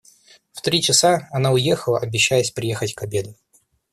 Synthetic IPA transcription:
ft̪ɾʲit͡ɕɪsaɐnaʊjexəlˠəʔɐbʲɪɕːæjəsʲpɾʲɪje̞xətʲkɐbʲe̞d̪ʊ

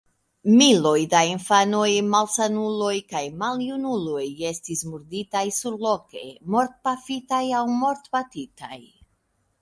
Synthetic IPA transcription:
milo̞jdainfano̞jmalsanulo̞jkajmaljunulo̞je̞stismuɾditajsuɾlo̞ke̞̰mo̞ɾt̚pafitajawmo̞ɾtpatita̰j

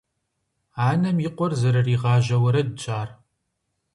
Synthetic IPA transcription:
aːnɐmjɪqʷɔrzɐɾɐriːʁɑːʒɐwɐɾɐdɨt͡ʃʼaːr

